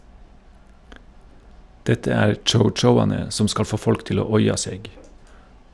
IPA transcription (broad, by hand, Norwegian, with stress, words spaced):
ˈdɛtə ˈæːɾ ˌt͡ʃəʊˈt͡ʃəʊɑnə ˈsɔm ˈskɑl ˈfoː ˈfɔlk ˈtɪl ˈoː ˈɔʏɑ ˈseːɡ